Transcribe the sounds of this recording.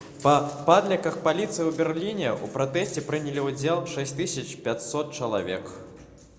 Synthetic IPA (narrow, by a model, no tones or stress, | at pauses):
pɐpad̪lʲɐkɐxpalʲit̪sɨjiwbʲɛrlʲinʲɛṵpɾat̪ɛsʲt͡sʲɛpɾɨnʲɛlʲiud͡zʲelˠʂɛsʲt̪ɨsʲɐt͡ʃpʲat͡sʲsɔt̪̚t͡ʂɐlˠa̰vʲɛk